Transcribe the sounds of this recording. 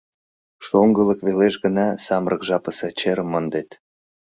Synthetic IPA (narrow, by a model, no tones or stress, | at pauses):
ʃoŋɡələ̆kβeleʃɡə̆nɑsɑmrʔəkʒɑpəset͡ɕeɾəmːənd̪et̪